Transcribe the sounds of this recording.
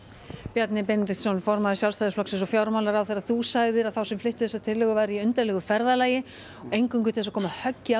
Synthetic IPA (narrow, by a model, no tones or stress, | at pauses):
pjɛt̪nɪpɛnt̪ɪsɔnfɔɾmaðɪsjawlst̪ajðɪsflɔksɛnsɔfjawɾmawlaɾawθejɾaðθusaɣðɪɾaðθawsɛmflɪht̪ʏ̥θɛsat̪ʰɪlːɪɣʏvaːjɾiʏnt̪alɛɣʏfɛɾðalaːjɪ | ɔejŋkʏŋk̬ʏt̪ɪlsakʰɔːmahœcːɪa